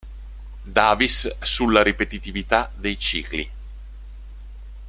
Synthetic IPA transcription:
d̪aːvisːulːaɾipet̪it̪ivit̪ad̪ejt͡ʃḭːklḭ

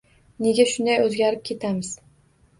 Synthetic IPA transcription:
ne̞ɡʲaʃʊnd̪ajɵzɡʲaɾɪp̚kʲʰe̞t̪ʰamɪz̥

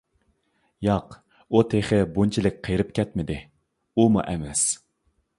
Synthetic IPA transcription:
jɑq | ut̪ʰeχɪbunt͡ʃʰilɪk̚ʲqʰejɾɨp̚kʲɛt̪mɪd̪ɪ | umṵʔɛmɛs

